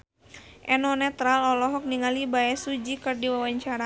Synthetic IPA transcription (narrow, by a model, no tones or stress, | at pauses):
ʔɛnɔnɛt̪ɾalɔlɔɦɔk̚niŋalibaɛsud͡ʒikɨrdiwawaɲt͡ʃaɾa